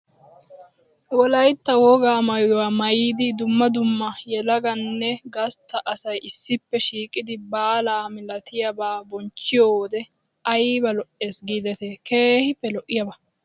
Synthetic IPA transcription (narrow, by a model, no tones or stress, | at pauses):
wɔlɐjt̪ːɐwɔɡaːmɐjwaːmɐjiːd̪ɪd̪ʊmːɐd̪ʊmːɐjɛlɐɡɐnːɛɡɐst̪ːɐʔɐsɐjɪsːɪpːɛʃiːkʼɪd̪ɪbaːlaːmɪlɐt̪ɪjɐbaːbɔnt͡ʃːɪjoːd̪ɛ | ʔɐjbɐlɔʔe̞ːsɡiːd̪ɛt̪eke̞ːhɪpːɛlɔʔːɪjɐbɐ